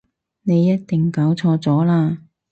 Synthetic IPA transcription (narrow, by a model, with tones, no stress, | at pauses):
ne˨˧jːɐ˥t̚t̪ɪ˨˩ŋkaː˨˥wt͡sʰɔː˧t͡sɔː˨˥laː˧